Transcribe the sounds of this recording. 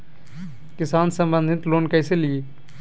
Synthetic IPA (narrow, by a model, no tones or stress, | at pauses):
kɪsaːnsə̃mbə̃nd̪ʱɪt̪loːnkəɪselije